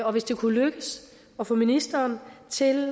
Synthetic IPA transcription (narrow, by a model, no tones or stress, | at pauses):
ɒ̽ʋe̝sd̥e̝kʰuløɡ̥əs | ɒ̽fɔ̽minisd̥ɐːnt͡sʰe̝l